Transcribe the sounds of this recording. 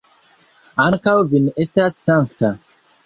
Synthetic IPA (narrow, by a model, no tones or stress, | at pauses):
aŋkawvinestasːaŋkta